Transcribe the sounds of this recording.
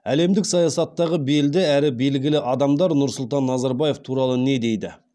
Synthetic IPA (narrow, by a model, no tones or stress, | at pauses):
æle̞md̪ɪksɑjɑsɑt̪ːɑʁəbe̞ld̪ɪæɾɪbe̞lɡʲɪlɪʔɑd̪ɑmd̪ɑɾnʊɾsʊlˠt̪ɑnːɑzɑɾbɑje̞ft̪ʰuɾɑlˠəne̞d̪e̞jd̪ɪ